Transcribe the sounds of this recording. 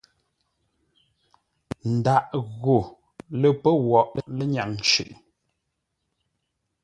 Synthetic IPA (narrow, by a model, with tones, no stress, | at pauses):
n̩˨da˨ʔɣo˨ | lə˨pə˦wɔ˨ʔlə˦ɲa˨ŋn˨t͡ʃʉ̰˨ʔ